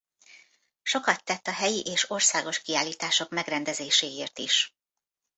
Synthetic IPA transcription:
ʃo̞kɒt̪ːɛt̪ːɒɦɛjiʔeːʃo̞rsaːɡo̞ʃkiaːlːiːt̪aːʃo̞kmɛɡrɛnd̪ɛzeːʃeːeːrt̪iʃ

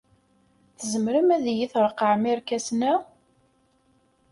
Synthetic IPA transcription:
θəzəmɾəmæðjiθɾˤqːəʕmiɾkæsnæ

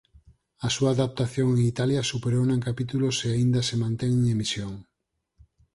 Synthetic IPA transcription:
ɐsuaðap̚t̪aθjõŋeŋit̪aljɐsupeɾownãŋkapit̪uloseaind̪ɐsemãnt̪eŋŋemisjoŋ

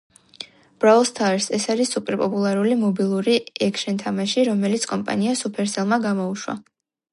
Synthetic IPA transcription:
b̥ɾalˠst̪ʰaɾsɛsaɾisupʼɛɾpʼɔpʼulˠaɾulimɔbilˠuɾiɛkʰʃɛnt̪ʰamaʃiɾɔmɛlit̪sʰkʼɔmpʼa̰niasupʰɛɾsɛlˠmaɡamɔuʃwa̰

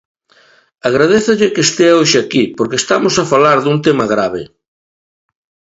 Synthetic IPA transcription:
aɣ̞ɾaðeθoʎɪkest̪eaoʃɪakipoɾkest̪amosafalaɾðunt̪emɐɣ̞ɾaβɪ

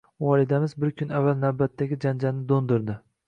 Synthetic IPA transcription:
wɒlɪd̪amɪzbɪɾkʲʰʊnavːalnawbat̪ʰːaɡʲɪd͡ʒand͡ʒalnɪd̪ond̪ʊɾd̪ɪ

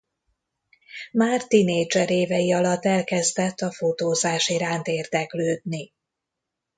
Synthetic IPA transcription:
maːrt̪ineːd͡ʒɛɾeːvɛjiɒlɒt̪ːɛlkɛzd̪ɛt̪ːɒfot̪oːzaːʃiɾaːnt̪eːrd̪ɛkløːd̪ni

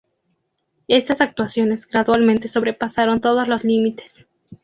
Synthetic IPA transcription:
e̞st̪asak̚t̪wasjo̞ne̞zɡɾaðwalmẽ̞nt̪e̞so̞βɾe̞pasaɾo̞nt̪o̞ð̞ozlo̞slimit̪e̞̥s

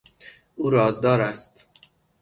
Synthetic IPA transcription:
ʔuːɾɒːzd̪ɒːɾæst̪

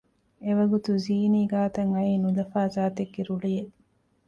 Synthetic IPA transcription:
eʋɐɡut̪uziːniːɡaːt̪ɐŋɐiːnulɐfaːzaːt̪eɡːeɾuɭije

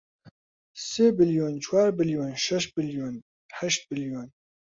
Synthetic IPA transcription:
seːbɪljoːnt͡ʃʰwaːɾbɪljoːnʃɛʃ̚bɪljoːn | ħɛʃt̪̚bɪljoːn

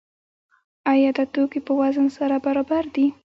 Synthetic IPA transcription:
ajɑd̪ət̪okipəwazənsaɾabaɾɑbaɾd̪i

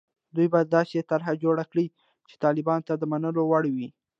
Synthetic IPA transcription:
d̪ujbɑjad̪ːɑset̪aɾɦad͡ʒoɽakɽi | t͡ʃe̥t̪ɑlɪbɑnot̪ad̪əmanəlowaɽwi

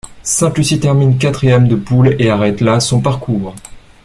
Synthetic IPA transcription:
sɛ̃t̪lysit̪ɛʁmink̬at̪χijɛmd̪əpuleaʁɛt̪lasɔ̃paʁkʰuːʁ

